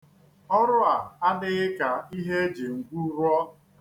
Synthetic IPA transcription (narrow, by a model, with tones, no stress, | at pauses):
ɔ˦ɾʊ˦a˨a˦dɪ˦ɣɪ˦ka˨i˦ɦe˦e˦d͡ʒe˨ŋ̩˨ɡʷu˦ɾɔ˦